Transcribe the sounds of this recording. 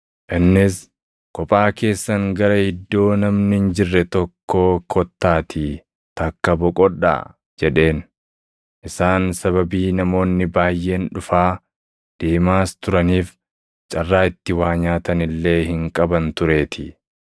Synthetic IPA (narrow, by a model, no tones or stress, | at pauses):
ʔɪnːɪs | kʼɔpʼaːke̞ːsːɐŋɡɐɾɐhɪd̪ːo̞ːnɐmnɪɪnd͡ʒɪrːɛt̪ɔkʰːoːkʰɔt̪ːaːt̪ʰɪ | t̪ɐkːɐbɔkʼɔᶑa̰ | d͡ʒɛᶑe̞ːn | ʔɪsaːnsɐβɐbiːnɐmo̞ːnːɪbaːjːe̞ːnᶑʊfaː | d̪̥eːmaːst̪ʊɾɐniːf | t͡ʃʼɐrːaːɪt̪ːɪwaːɲaːt̪ɐnɪlːe̞ːhɪŋkʼɐbɐnt̪ʊɾe̞ːt̪ʰɪ